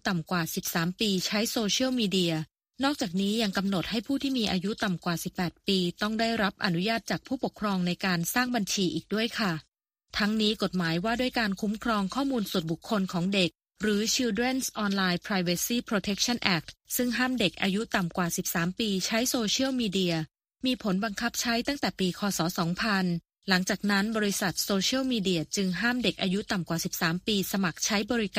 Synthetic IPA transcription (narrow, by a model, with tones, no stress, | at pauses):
t̪a˨˩mkwaː˨˩si˨˩p̚saː˩˦mpiː˧t͡ɕʰa˦˥jsoː˧t͡ɕʰi˥əwmiː˧di˧ɐ | nɔː˥˩k̚t͡ɕaː˨˩k̚niː˦˥ja˧ŋka˧mno˨˩t̪̚ha˥˩jpʰuː˥˩t̪ʰiː˥˩miː˧ʔa̰ː˧ju˦˥t̪a˨˩mkwaː˨˩si˨˩pːɛː˨˩t̪̚piː˧t̪ɔ˥˩ŋdaː˥˩jɾa˦˥p̚ʔa˧nu˦˥jaː˥˩t̪̚t͡ɕaː˨˩k̚pʰuː˥˩po˨˩kʰɾɔː˧ŋna˧jkaː˧nsaː˥˩ŋba˧nt͡ɕʰiː˧ʔiː˨˩k̚du˥˩əjkʰa˥˩ | t̪ʰa˦˥ŋniː˦˥ko˨˩t̪̚maː˩˦jwaː˥˩du˥˩əjkaː˧nkʰu˦˥mkʰɾɔː˧ŋkʰɔː˥˩muː˧nsu˨˩t̪̚bu˨˩kʰːo˧nkʰɔː˩˦ŋde˨˩k̚ | ɾɯː˩˦t͡ɕʰi˧de˥˩nsʔɔː˧nlaː˧jpʰɾaː˧jwa˧siː˥˩pʰɾo˧t̪ʰe˦˥k̚t͡ɕʰa˥˩nʔɛː˨˩k̚t̪̚sɯ˥˩ŋɦaː˥˩mde˨˩k̚ʔaː˧ju˦˥t̪a˨˩mkwaː˨˩si˨˩p̚saː˩˦mpiː˧t͡ɕʰa˦˥jsoː˧t͡ɕʰi˥ə˨wmiː˧di˧ɐ | miː˧pʰo˩˦nba˧ŋkʰa˦˥p̚t͡ɕʰa˦˥jt̪a˥˩ŋt̪ɛː˨˩piː˧kʰɔː˧sɔː˩˦sɔː˩˦ŋpʰa˧n | la˩˦ŋt͡ɕaː˨˩k̚na˦˥nbɔː˧ɾi˧˥sa˨˩t̪̚soː˧t͡ɕʰi˥ə˨wmiː˧di˧ɐt͡ɕɯ˧ŋɦaː˥˩mde˨˩k̚ʔaː˧ju˦˥t̪a˨˩mkwaː˨˩si˨˩p̚saː˩˦mpiː˧sa˧ma˨˩k̚t͡ɕʰa˦˥jbɔː˧ɾi˦˥kaː˨˩